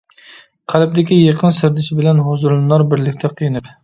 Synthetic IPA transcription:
qʰælɪp̚d̪ɪkʲijeqʰənsɪɾd̪ɪsɪbɪlɛnɦozuɾlˠɨnˠɑɾbɪɾlɪkʲt̪ʰɛqʰijinɨp

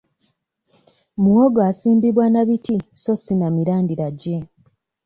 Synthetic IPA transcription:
muwoɡoasiːmbiβwanaβitiso̞sinamiɾaːndiɾaɟe

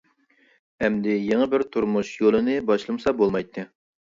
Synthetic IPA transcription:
ɛmd̪ɪjeŋɨbɪɾt̪ʰuɾmuʃjolˠɨnɨbɑʃlˠɨmsɑbolˠmɑjt̪ʰːɨ

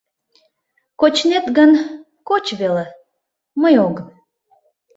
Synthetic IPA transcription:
kot͡ɕnet̪ɡən | kot͡ɕβele | məjoɣən

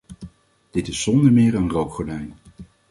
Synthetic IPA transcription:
d̥ɪtɪsːɔndəɹmɪːɹənrowkχɔɹdɛjn

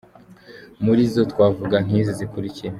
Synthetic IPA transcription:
muɾizotwaːvuɡaŋ̥iːzizikuɾicie

